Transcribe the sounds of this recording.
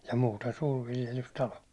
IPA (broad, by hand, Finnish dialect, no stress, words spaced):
jɑ muːten suːrʋiljelystɑlo